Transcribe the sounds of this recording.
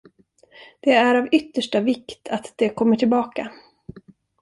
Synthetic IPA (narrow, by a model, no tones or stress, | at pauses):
d̪̥ɛæɾavʏt̪ːəʂʈavɪkt̪ʰat̪d̪̥ɛkʰɔmːəʈʰɪlbɑːka